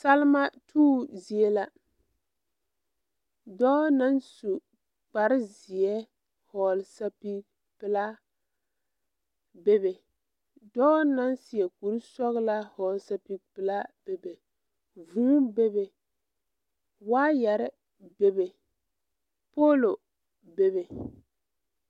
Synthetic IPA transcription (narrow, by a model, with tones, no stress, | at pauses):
sa˦lma˦tʰuː˦zi˨e˦la˦ | dɔː˦na˦nsu˨ | k͡pa˨ɾɪ˦zɪ˨ɛ˦ | hɔ˨lsa˦pi˦k | pɪ˦la˦ | be˦be˨ | dɔː˦na˦nsi˨ɛ˨ku˨ɾsɔ˦ɣla˦hɔː˨lsa˦pi˦k̚pɨ˨la˦be˨be˨ | vũː˦be˦be˨ | waː˦jɛ˨ɾɪ˦ | be˨be˨ | po˦lo˨ | be˨βe˨